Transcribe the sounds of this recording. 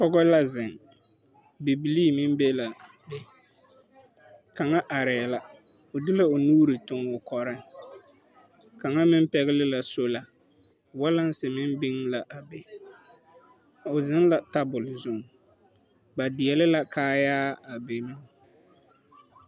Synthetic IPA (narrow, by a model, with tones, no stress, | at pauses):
pɔ˦ɡɔ˦la˦zɪ˨ŋ | bi˨bi˨liː˦mɪ˦mbe˦la˨ | be˦ | ka˨ŋa˦ʔa˨ɾɛː˨la˨ | ʊ˨dɪ˦la˦o˨nuː˦ɾɪ˨tʊ˨ŋʊ˨kɔ˨ɾɪ˦ŋ | ka˨ŋa˦mɪ˦m˦pɛ˦ɣɪ˦lɪ˦la˨so˦la˨ | wa˦la˦n˦sɪ˨mɪ˦m˦bɪ˦ŋla˨ʔa˨be˨ | ʊ˨zɪ˦nla˨ta˦bʊ˨lɪ˨zʊ˦˨ŋ | ba˨dɪ˨ɛ˨lɪ˦la˦kaː˦jaː˦a˨be˨nʊ˦ŋ˦